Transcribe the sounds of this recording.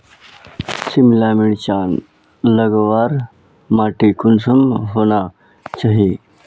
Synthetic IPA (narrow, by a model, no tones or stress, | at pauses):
simlamiɭt͡ɕaːn | ləɡʋaːɾ | maːʈikunsəmɦoːna | t͡ɕaɦi